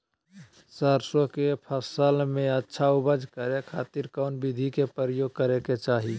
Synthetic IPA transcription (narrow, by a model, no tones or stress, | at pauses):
səɾsõkepʰəsəlmẽətːʃʰaubəd͡ʒʱkəɾekʰa̰ːt̪iɾkaʊnbid̪ʱikepəɾəjoːɡ̚kəɾeket͡ʃaːɦi